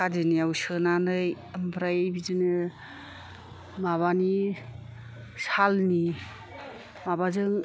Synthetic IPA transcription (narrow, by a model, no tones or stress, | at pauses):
adiniawsɯnanɯj | ambʰɾajbizɯnɯ | maβani | salni | mabazɯŋ